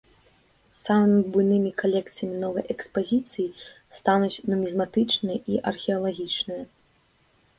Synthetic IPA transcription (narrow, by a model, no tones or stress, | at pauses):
samɨmʲibujnɨmʲikalʲɛkt̪sɨjɐmʲinɔvɐjʔɛkspazʲit̪sɨji | st̪anut͡sʲnɔmʲizmat̪ɨt͡ʂnɨjɐʔiʔɐrxʲɛɐlˠaɣʲit͡ʂnɨjɐ